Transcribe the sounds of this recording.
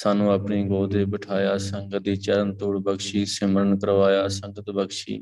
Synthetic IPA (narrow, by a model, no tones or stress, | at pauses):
saːnũːəpniːɡoːd̪ʱeːbəʈʰaːjaːsəŋɡət̪iːt͡ʃəɾənt̪uːɽbəɡʃiːsɪməɾənkəɾʋaːjaːsə̃ŋɡət̪bəɡʃḭː